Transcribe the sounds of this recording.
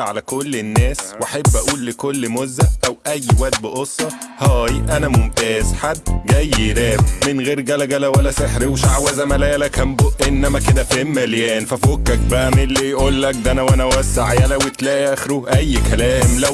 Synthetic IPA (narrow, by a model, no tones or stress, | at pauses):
ʕalækolːenːæːswʔaħebːʔæʔuːlːekolːmozːæʔʔæwʔæjːwæʔt̪̚beʔosˤːɑ | hæːjʔænæmomt̪æːzħad̪ːɡæjːelæːbmenɣeːɾɡælæɡælæwælːæseħɾiweʃaʕwæzæmælæjælækæmboʔʔenːæmæked̪æfemmæljæːnfæfokːæk̚bæʔæmelːijʔuːlːæk̚d̪ænæwʔænæwæsːaʕjælæwet̪læʔʔʔæxɾuʔæjːkælæːmlæ